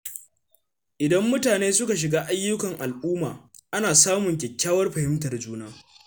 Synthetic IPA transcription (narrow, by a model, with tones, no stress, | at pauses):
ʔɪ˨dɐ˦mːʊ˦taː˨neː˦sʊ˦ka˨ʃ̬ɪ˨ɡaː˦ʔa˦jːʊ˦kɐ˨ŋʔa˨lʔuː˦maː˨ | ʔa˦naː˨saː˦mʊ˨ŋkʲɛ˨kʲːaː˦wɐ˦rɸɐ˨hɪ˦mtɐ˨rd͡ʒuː˦naː˦